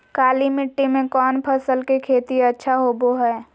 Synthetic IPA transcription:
kaːlimɪʈːimẽkɔːnpʰəsəlkekʰeːt̪iɐtːʃʰaɦoːboɦɛː

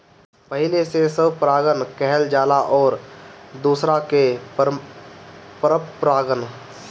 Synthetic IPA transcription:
pəɦɪlesesəbpɾaːɡənkɛɦld͡ʒaːlaʔɔːɾd̪uːsɾake | pɾəpɾaːɡən

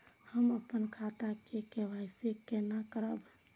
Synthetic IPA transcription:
həməpənkʰat̪akekeʋajsekenakəɾəb

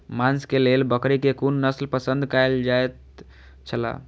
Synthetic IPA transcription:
manskelelbəkɾekekunːəslpəsə̃nd̪ʱkajld͡ʒajt̪ | t͡ʃʰəla̰

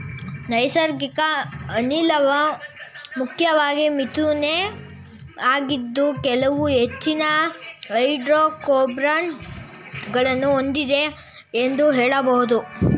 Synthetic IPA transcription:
nɐjsɐɾɡikɐːnilɐʋɐ | mukʰjɐʋaːɡimit̪une | aːɡid̪ːukɛlɐʋuɦet͡ʃːinɐɦɐjɖɾoːkoːbɾan | ɡɐɭɐnːuond̪id̪e̞ | end̪uɦeːɭɐbɐɦud̪u

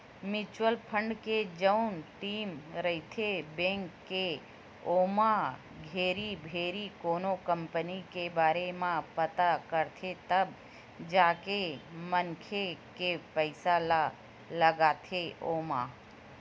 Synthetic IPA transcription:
mɪt͡ʃwəlpʰə̃ɳɖked͡ʒəʊnʈiːmɾəit̪ʰebẽːŋkːe | oːma | ɡʱeːɾibʱeːɾikoːnokə̃mpənikebaːɾemãpət̪akəɾt̪ʰet̪əb | d͡ʒaːkemənkʰekepəɪsal | ləɡaːt̪ʰeʔoːma

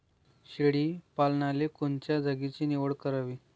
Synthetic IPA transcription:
ɕeɽiːpalɳalekont͡ɕjad͡zʱəɡit͡ɕiːniʋəɽkəɾaʋiː

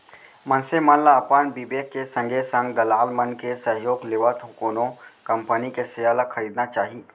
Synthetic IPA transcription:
mɐnsemãnlaːpaːnbibeːkːesɐ̃ŋɡʱesɐ̃ŋɡd̪ɐlaːlmɐnkesɐ̃ɦjoːɡlɪʋat̪ɦʊkoːnõkɐ̃mpənikesɪjaːlakʰɐɾiːd̪nat͡ʃaːɦie

